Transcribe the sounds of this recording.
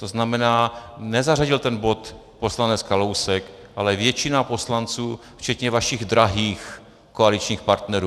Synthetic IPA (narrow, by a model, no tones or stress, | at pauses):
t̪o̞znamɛnaːnɛzaraɟɪlt̪ɛnbo̞t̪ | po̞slanɛt͡skalowsɛk | ʔalɛvjɛt͡ʃɪnapo̞slant͡suː | ft͡ʃɛt̪ɲɛvaʃiɣd̪ɾaɦiːx | koalit͡ʃɲiːxpaɾt̪nɛɾuː